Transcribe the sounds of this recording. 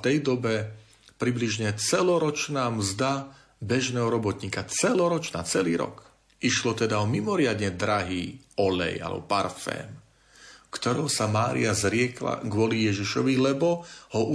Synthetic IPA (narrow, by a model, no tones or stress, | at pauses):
t̪ɛjd̪ɔbɛ | pɾibliʒɲɛt͡sɛlɔɾɔt͡ʃnaːmzd̪a | bɛʒnɛːɦɔɾɔbɔt̪ɲiːkat͡sɛlɔɾɔt͡ʃnaːt͡sɛliːɾɔ̰k | ʔiʃlɔt̪ɛd̪aɔmimɔɾɪad̪ɲɛd̪ɾaɦiːɔlɛ̰ja̰lɛ̰bɔ̰paɾfɛ̰ːm | kt̪ɔɾɛʊsamaːɾḭazɾɪɛkla̰ɡʊɔlijɛʒiʃɔʋilɛbɔhɔʔu